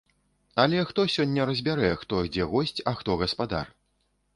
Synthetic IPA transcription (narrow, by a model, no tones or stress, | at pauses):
ɐlʲɛxt̪ɔsʲɔnʲːɐɾɐzʲbʲaɾɛxt̪ɔd͡zʲɛɣɔsʲt͡sʲɐxt̪ɔɣɐspad̪a̰r